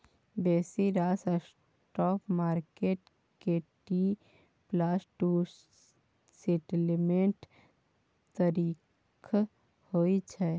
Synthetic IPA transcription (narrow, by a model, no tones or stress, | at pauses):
bɛːsiɾaːsəs | ʈɔpmaːɾkeʈ | keʈi | plasʈu | seʈlmẽɳʈ | t̪əɾiː | kʰ | hoit͡ʃʰɛ